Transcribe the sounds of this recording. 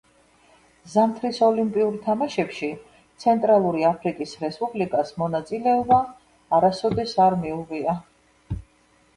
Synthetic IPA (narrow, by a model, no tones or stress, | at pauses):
zamt̪ʰɾisɔlimpʼiuɾt̪ʰamaʃɛpʃi | t̪sʰɛnt̪ʼɾalˠuɾiapʰɾikʼisɾɛspʼublikʼasmɔnat̪sʼilɛɔbaː | ɾasɔd̪ɛsaɾmiuvia